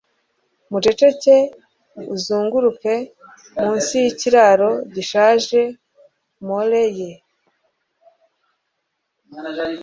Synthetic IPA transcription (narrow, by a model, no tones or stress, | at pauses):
mut͡ʃe̞t͡ʃece | uzuːŋɡuɾupe̞ | muːnsijiciɾaɾo̞ɟiʃaːʒe | moleje